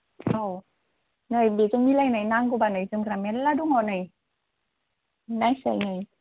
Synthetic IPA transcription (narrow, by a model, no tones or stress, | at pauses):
ʔaw | najbit͡ɕɔŋmilajnajnaŋkubanajt͡səŋɾamɛnlaːduŋɔnaj | najsa̰jnaj